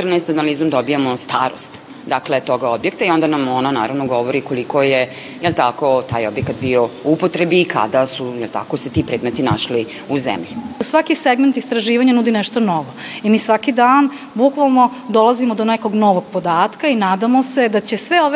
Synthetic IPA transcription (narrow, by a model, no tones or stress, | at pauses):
t̪rnaest̪analizumd̪obijamost̪a̰ːɾo̰st̪ | d̪aklet̪o̞ɡaobjekt̪aio̞nd̪anamonana̰ːɾaʋnoɡo̞ʋoɾikolikoje | jelt̪akot̪aːjo̞bjekat̪biouupot̪ɾebiːkʰa̰d̪asujelˠt̪a̰koset̪ipɾeːd̪met̪ina̰ʃli | uzḛmʎisʋakiseɡment̪ist̪ɾaʒiːʋaɲanud̪ineʃt̪onoʋoimiːsʋakid̪aːn | bukʋalˠno̞d̪olˠazimod̪oneko̞ɡnoʋoɡ̚pod̪aːt̪kainaːd̪amose̞d̪at͡ɕesʋeoʋ